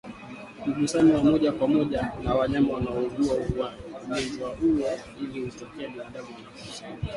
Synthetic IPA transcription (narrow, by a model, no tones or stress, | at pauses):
uɡusaniwamɔʄakwamɔʄanawaɲamawanaɔɡuauwanimɛziwaʔuwa | ilihutɔkɛɛɓinaɗaɡuma